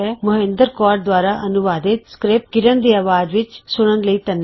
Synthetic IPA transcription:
ɛːmʊɦẽnd̪əɾkɔːɾɖ̚d̪waːɾaːʔənʊʋaːd̪ɪt̪skɾɪp̚ɡɪɾənd̪iːaːʋaːd͡ʒʋɪt͡ʃsʊɽ̃ənləiːt̪ənː

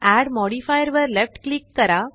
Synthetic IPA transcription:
ʔæːɖmɔːɖifajəɾʋəɾlɛfʈklɪk̚t̪ɐɾaː

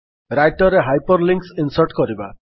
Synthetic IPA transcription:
ɾajʈɔɾeɦajpɔɾliŋksinsɔɾʈkɔɾiba

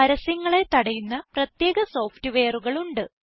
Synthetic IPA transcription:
ɐɾɐsɐŋːɐɭe̞t̪ɐɽɐjunːɐprɐt̪je̞ːɣɐso̞ːftɨʋeːruɣɐɭuɳɖɨ

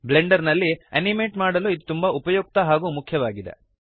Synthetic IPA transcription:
bleɳɖɐɾnɐlːiḛnimeːʈmaːɽɐluːid̪t̪umbɐupɐjoːk̚t̪ɐɦaːɡuːmukʰjɐʋaːɡid̪e̞̰

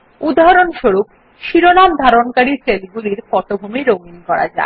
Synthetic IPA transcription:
ud̪ʱɦaɾonʃoɾup̚ | ʃiɾonamd̪ʱaɾonkaɾiselɡuliɾfɔʈobʱumiɾoŋinkɔɾa̰d͡ʑa̰e

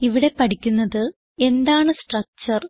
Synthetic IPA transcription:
iʋiɽe̞pɐʈʰikʲːunːɐðɨ | e̞nd̪aːɳɨsʈrɐk̚t͡ɕɐr

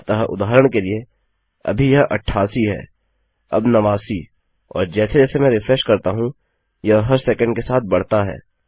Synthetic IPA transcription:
t̪ɐɦʔʊ̰d̪aːɾəɽ̃kelie | ɐ̰bʱijɐɦʔɐ̰ʈʰːaːsiɦɛ̰ː | ɐ̰bnɐʋaːsi | ɔ̰ːɾd͡ʒɛːsed͡ʒɛːsemɛ̃ːɾɪfɾeʃkɐɾt̪aɦũ | jɐɦɐɾsɛːkə̃ɳɖkesaːt̪̚ʰbɐɽ̤t̪aɦɛ̰ː

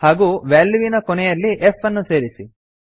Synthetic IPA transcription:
haːɡuːʋeːlːʋinɐkonɛjɐlːiʔefɐnːuse̞ːɾisi

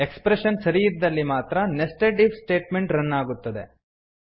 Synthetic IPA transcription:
ekspɾeʃɐnsɐɾijid̪ːɐlːimaːt̪ɾɐnesʈeʈibsʈe̞ːʈmeɳʈɾɐnːaːɡut̪ːɐd̪e̞

